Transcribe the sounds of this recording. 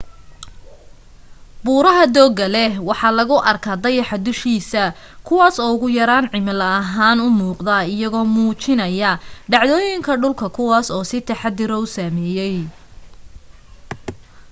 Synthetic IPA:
buːɾɐɦɐd̪ɔːɡɐlɛwɑħɑːlɐɣʊʔɐrkʰaːd̪ɐjɑħɑd̪ʊʃiːsɐ | kʰʊwɑːsɔːʊɣʊjɐɾaːnʕɪmɪlɐːɦaːnʊmuːqd̪ɐɪjɐɣɔːmuːt͡ʃɪnɐjɐɖɑʕðɔːjɪŋkʰɐɖʊlkʰɐkʰʊwɑːsɔːsɪt̪ʰɐħɑd̪ɪɾɔʊsɐmɛːjɛj

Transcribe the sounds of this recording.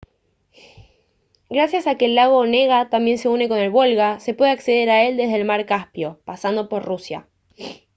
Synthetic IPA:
ɡɾasjasakeːlːaɣ̞o̞ne̞ɣat̪ambje̞nse̞une̞ko̞ne̞lβolɣase̞pwe̞ðeakse̞ðe̞ɾae̞ld̪e̞zðeːlmaɾkaspjo̞pasand̪opo̞ɾrusja̰

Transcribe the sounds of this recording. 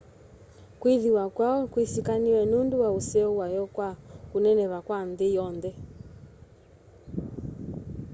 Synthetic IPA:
kwiðiwakwaɔkwisikaniwɛnunduwausɛuwajɔkwakunɛnɛβakwanðɪjɔndɛ

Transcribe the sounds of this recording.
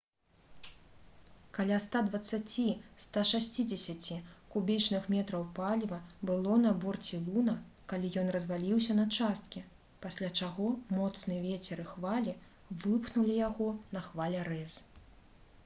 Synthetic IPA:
kalʲast̪ad̪vɐt̪sːat͡sʲist̪aʂasʲt͡sʲid͡zʲesʲat͡sʲikubʲit͡ʂnɨxmʲɛt̪ɾɐwpalʲvɐbɨlˠɔnɐbɔrt͡sʲilˠunɐkalʲijɔnrɐzvalʲiwsʲɐnɐt͡ʂast̪̚kʲi | pasʲlʲat͡ʂaɣɔmɔt̪snɨɛvʲet͡sʲɛɾɨxvalʲi | vɨpxnulʲijaɣɔnɐxvalʲɛɾɛz

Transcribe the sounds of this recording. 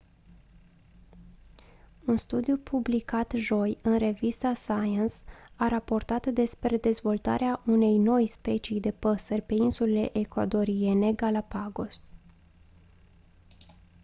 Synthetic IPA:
unst̪ud̪ijupʰublikat̪ʒo̞jɨnre̞vist̪asajensaɾapo̞rt̪at̪d̪e̞spɾe̞d̪e̞zvo̞lt̪a̰ɾeaʔune̞jno̞jspe̞t͡ʃijd̪e̞pəsərʲpe̞insulele̞ʔekwa̰d̪o̞ɾie̞ne̞ɡalapaɡo̞s

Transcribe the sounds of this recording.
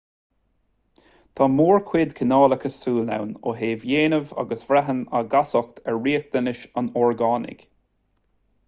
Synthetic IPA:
t̪ʰamuːɹkʰwɪd̪kʰənɑːləkʰəsuːlna̰wno̰ɦeːvjeːnəva̰ɡəsv̥ɾɛɦənaɡasɔk̚t̪ʰɛɹːiːək̚d̪̥ənɪʃanɔɹɡaːnɪ̰k

